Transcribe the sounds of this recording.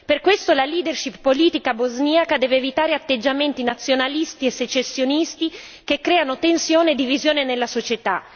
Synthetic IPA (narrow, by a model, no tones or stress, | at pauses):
perkwest̪olaliːd̪erʃippːoliːt̪ikabozniakad̪ɛːveːvit̪aːɾeat̪ːed͡ʒːament̪inat̪sːjonalist̪iesːet͡ʃːesːjonist̪i | kekːɾɛːanot̪ensjoːned̪ːivizjoːnenelːasot͡ʃet̪a